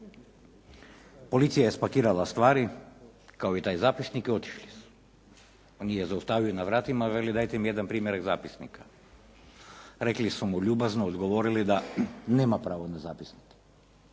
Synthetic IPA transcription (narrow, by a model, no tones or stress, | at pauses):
polit̪sijaɛspakiɾalˠast̪ʋaɾi | kaoit̪ajzapisnikiot̪i̥ʃlisu̥ | onijɛzaust̪avionavɾat̪imavɛlid̪ajt̪ɛmijɛd̪anpɾimjɛɾaɡzapisnikḁ | ɾɛklisumuʎubaznoːd̪ɡoʋoɾilid̪anɛmapɾaʋonazapisnik